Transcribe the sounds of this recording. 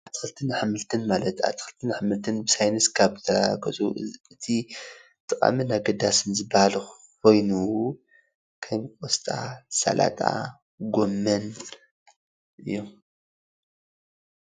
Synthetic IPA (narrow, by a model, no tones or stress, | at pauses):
ʔʔaβt̪ʰɨ̥xɨlt̪ʰɨnħɨmɨlt̪ʰɨnmalɐt̪a̰t̪ʰɨ̥xɨlt̪ʰɨnħɨmɨlt̪ʰɨnbɨsajnɨskʰaβzɨt̪ʰɐɾakʰɐt͡sʼuɨt̪ʰi | t̪ʼɨkʼa̰minaɡɐd̪asɨnzɨbːahal | kʰo̞jnu | kʰɐmkʼost̪ʼa̰sa̰lʔa̰t̪ʼa̰ | ɡo̞mːɐn | ʔɨ̰jːom